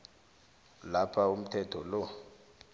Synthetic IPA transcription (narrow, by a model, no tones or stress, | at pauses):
lapʰaum̩tʰɛtʰɔlɔ